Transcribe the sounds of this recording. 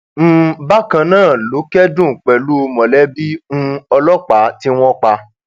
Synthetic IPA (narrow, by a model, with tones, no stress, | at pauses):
m̩̃˦˨˦ba˦kã˧nãː˦˨lo˨˦kɛ˦dũ˦˨k͡pɛ˨lu˦o˧mɔ̃˨lɛ˦bi˦ŋũ˦ɔ˧lɔ˦k͡pa˨˦ti˦w̃ɔ̃˦k͡pa˧